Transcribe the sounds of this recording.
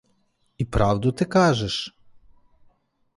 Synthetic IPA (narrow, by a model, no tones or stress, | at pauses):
ipɾɑwd̪ʊt̪ɪkɑʒɛʃ